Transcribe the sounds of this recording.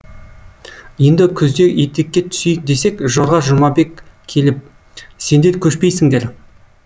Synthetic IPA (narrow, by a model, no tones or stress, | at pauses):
je̞nd̪ɪkʲʰʏzd̪e̞ʔjet̪ːekʲːe̞t̪ʰʏ̥sejk̚d̪e̞se̞kʒoɾʁɑʒʊmɑbe̞kʲʰː | e̞lɪp̚ | se̞nd̪e̞ɾkʲʰɵʃpe̞jsɪŋd̪e̞ɾ